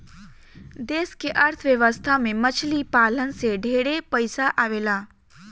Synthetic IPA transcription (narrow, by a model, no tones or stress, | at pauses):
d̪eːskeʔɐɾt̪ʰəʋjəʋəst̪ʰamẽmət͡ʃʰlipaːlənseɖʱeːɽepəɪsaʔaːʋeːlaː